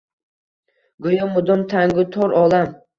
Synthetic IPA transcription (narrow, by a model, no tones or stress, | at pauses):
ɡojɔmʊd̪ɔmt̪ʰaŋɡʊt̪ʰɔɾʔɒlˠam